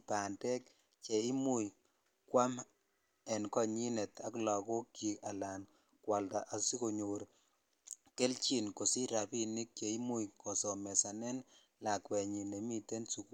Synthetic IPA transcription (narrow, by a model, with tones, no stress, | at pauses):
pa˨ntɛ˦k | t͡ʃe˨i˦mu˦˨j | kwa˦m | ɛ˨nkɔ˦ɲi˦ne˨ta˦klɔ˨ko˦kːi˨ka˨la˨n | kwa˨lta˨ʔa˨si˦ko˨ɲo˨ɾ | ke˦lt͡ʃi˨nko˨si˦ɾa˨pi˦ni˦k̚t͡ʃe˨i˦mu˦jkɔ˨so˨mɛ˨sa˨nɛ˦n | la˨kwɛ˨ɲi˨ne˨mi˦te˦nsu˨ku˦